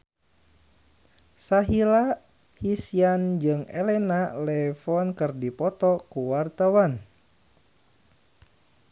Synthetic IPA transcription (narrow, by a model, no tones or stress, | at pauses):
saɦila | hisiand͡ʒɨŋɛlɛnalɛfɔnkərdipɔt̪ɔkuwart̪awan